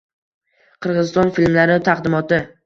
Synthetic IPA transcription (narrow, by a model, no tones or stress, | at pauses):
qʰɨɾʁɨzɪst̪ɒnfilmlaɾɪt̪ʰaqd̪ɪmɒt̪ɪ